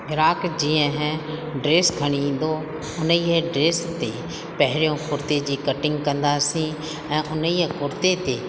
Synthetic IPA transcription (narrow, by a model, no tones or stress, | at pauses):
ɡɪɾaːkd͡ʒiːɛ̃ɦɛ̃ɖɾeːsɡʱəɽ̃iːnd̪oː | ʊnieɖɾeːst̪eː | pɛɦɾijõːkʰʊɾt̪ed͡ʒiːkəʈɪ̃ŋɡkə̃nd̪aːsĩː | ɛ̃ːʔʊniɛkʰʊɾt̪et̪eː